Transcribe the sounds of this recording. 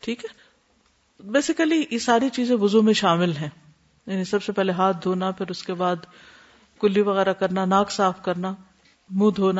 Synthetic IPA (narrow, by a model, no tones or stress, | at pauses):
ʈʰiːkɦɛː | beːsɪkəlijesaːɾit͡ʃiːzẽʋʊzumẽʃaːmɪlɦɛ̃ː | jaːnisɐbsepɛɦleɦaːt̪̚ʰd̪ʱoːnapʰɪɾʊskebaːd̪ | kʊlːiʋɐɣɛːɾakɐɾnanaːksaːfkɐɾna | mũːd̪ʱɦoːna